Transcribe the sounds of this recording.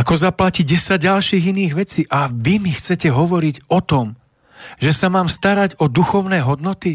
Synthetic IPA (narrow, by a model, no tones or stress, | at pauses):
akɔzaplaciɟɛsaɟ̚alʃiːɣiniːɣʋɛt͡siːʔaʋimixt͡sɛcɛɦɔʋɔɾiɟɔt̪ɔm | ʒɛsamaːmst̪aɾaɟɔd̪uxɔʊnɛːɦɔd̪nɔt̪i